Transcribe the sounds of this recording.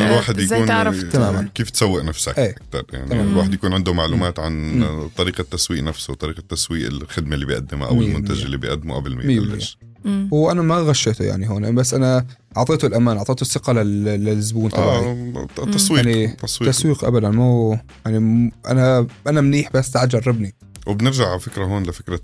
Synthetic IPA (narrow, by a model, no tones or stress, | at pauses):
alwaːħɪd̪jauːnʕt̪amaːmankiːft̪sawːɪʔnafsa̰kʔeːak̚t̪ɑ̰ɾˤja̰ʕnilwaːħɪd̪jakuːnʕɪnd̪ʊmaʕluːmaːt̪ʕant̪ˤːɑɾiːqat̪ːaswiːʔnafsʊt̪ˤɑɾiːqat̪ːaswiːʔɪ̰lxɪd̪malːiːbijʔa̰d̪ːɪm̰ʔa̰wɪmʊnt̪aʒɪlːiːbɪ̰jʔa̰d̪ːɪmṵʔabɪlmɪ̰mːmɪjːmɪjː | wʔanamaɣaʃːeːt̪ṵja̰ʕniɦoːnʔbasːʔana | ʕɑʕt̪ˤeːt̪ʊlʔamaːnʔʕɑʕt̪ˤeːt̪ʊsːɪqɑlɪllɪlɪzbuːnʔ̪aait̪ːɑswiːnit̪ːɑsˤwiːaswiːqʔa̰bad̪anmu | jaʕniʔa̰naʔanamniːħbasːt̪ʕad̪d͡ʒɑrˤːɪbni | wɪbnɪɾʒaʕafɪkɾaɦoːnlɪfɪkɾa